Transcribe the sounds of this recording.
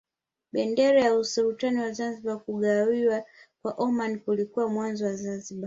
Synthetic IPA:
ɓɛndɛɾajausuɾutaniwazanziɓakuɠawiwakwaʔɔmanikulikuwamwanzɔwazanziɓa

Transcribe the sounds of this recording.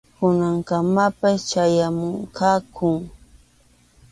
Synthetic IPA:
kʊnaŋkamapast͡ʃajamʊŋkakʰʊŋ

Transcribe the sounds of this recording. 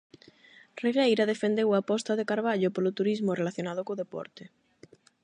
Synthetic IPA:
reɣejɾaðefend̪ewapɔst̪aðekaɾβ̞aʎopolot̪uɾizmorelaθjonað̞okoðepɔ̰ɾt̪e

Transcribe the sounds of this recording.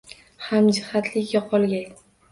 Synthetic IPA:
hamd͡ʒɪhat̪ʰlɪkʲjɒqʰɒlˠɡʲaŋʲ

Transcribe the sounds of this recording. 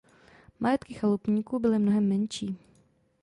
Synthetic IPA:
majɛt̪kɪxalupɲiːkuːbɪlɪmnoɦɛmːɛnʃiː

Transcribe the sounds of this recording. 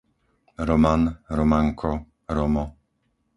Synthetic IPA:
ɾɔmanɾɔmaŋkʰɔ | ɾɔmɔ

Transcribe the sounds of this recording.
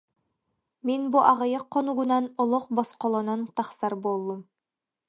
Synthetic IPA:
minbuʔaʁɯjɯqʰːɔnuɡunanɔlˠɔq̚bɔsqɔlˠɔnant̪ɑχsɑɾbolˠːum

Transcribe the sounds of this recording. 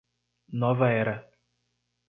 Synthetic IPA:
nɔvaɛɾa

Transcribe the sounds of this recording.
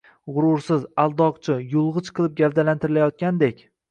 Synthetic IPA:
ʁʊɾʊɾsɪzalˠd̪ɒqt͡ʃʰɪjʊlˠʁɨt͡ʃqʰɨlˠɪp̚ɡʲavd̪alant̪ɪɾɪlajɒt̪̚kʲand̪ekʲ

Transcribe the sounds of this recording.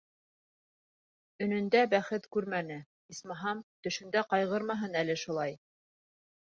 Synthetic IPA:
ɵ̆nɵ̆nd̪æbæχɘt̪kʉɾmænɘ | ismɑɦɑmt̪ɵ̆ʃɵ̆nd̪æqɑjʁɤ̆ɾmɑɦɤnælɘʃulˠɑj

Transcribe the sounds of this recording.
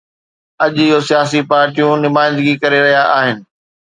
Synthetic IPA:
ɐʄɪɦosijaːs̬ipaːɾʈijũnɪmaːɪ̃nd̪ɡikɐɾeɾɐɦijaʔaːɦɪnɪ̆

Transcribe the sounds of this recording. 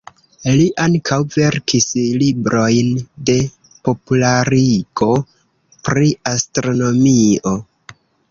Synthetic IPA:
liʔaŋkʰawve̞ɾkʰislibɾʔo̞jnde̞ | po̞pulaɾiɡ̥o̞ | pɾiastɾo̞no̞mio

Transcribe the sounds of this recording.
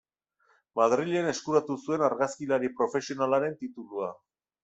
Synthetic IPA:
maðɾiʎe̞ne̞skuɾat̪usue̞naɾɣaskilaɾipɾo̞fe̞sio̞nalaɾe̞nt̪it̪ulua

